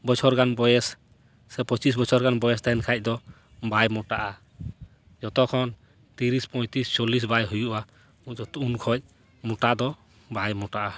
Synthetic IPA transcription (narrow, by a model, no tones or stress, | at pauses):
bɔt͡ʃʰɔɾɡanbɔjɛs | sɛpɔt͡ʃis̬bɔt͡ʃʰɔɾɡanbɔjɛst̪aɛnkʰac̚ˀd̪ɔ | bajmɔʈaʔa | d͡ʒɔt̪ɔkʰɔn | t̪iɾispɔjt̪ist͡ʃolis̬bajɦujuʔa | ud͡ʒɔt̪ɔunkʰɔc̚ | mɔʈad̪ɔ | bajmɔʈaʔa